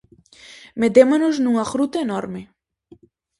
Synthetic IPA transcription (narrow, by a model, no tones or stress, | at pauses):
med̪emɐnoznuŋɐxɾut̪eenɔɾme